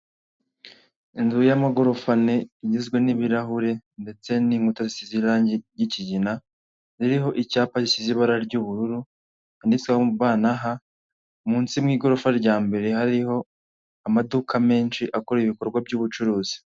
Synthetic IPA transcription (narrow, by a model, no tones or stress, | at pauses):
inzujamaɡo̞ɾofane̞iɟizɡwe̞niβiɾaɦuɾe̞nde̞t͡se̞niŋɡutazisiziɾaːɲɟejiciɟina | ziɾiɦo̞ʔicaːpazisiziβaɾaɾɟuːβuɾuɾu | andit͡swaβaːnaɦa | muːnt͡simŋiːɡo̞ɾofaɾɟaːmbe̞ɾe̞haɾiho̞ | amadukʰame̞ːnʃiʔakoɾeiβiko̞ɾɡwabɟuːβut͡ʃuɾuːz̥i̥